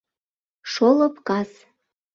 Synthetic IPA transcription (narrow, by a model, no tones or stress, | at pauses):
ʃolɤ̆pkɑs